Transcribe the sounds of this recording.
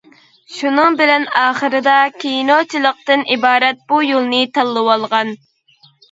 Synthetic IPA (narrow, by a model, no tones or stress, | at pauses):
ʃunɨŋbɪlɛnɑːχəɾɨd̪ɑkʲʰejnot͡ʃʰilˠəq̚t̪ɨnʔibɑːɾɛt̪̚b̥ujolˠnɨt̪ʰɑlˠːəwɑlˠʁɑn